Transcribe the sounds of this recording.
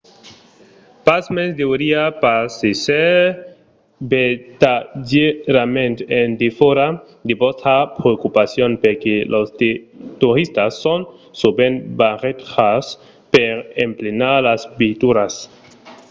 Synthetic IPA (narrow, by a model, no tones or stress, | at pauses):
pasmesd̪euɾiapasise | bet̪ad͡ʒeɾamẽnt̪end̪ifoɾa | d̪ibostapɾeokupasjonpeɾkelost̪t̪uɾist̪asːonsubenbaʁet̪as | peɾemplenaɾlasbit̪uɾas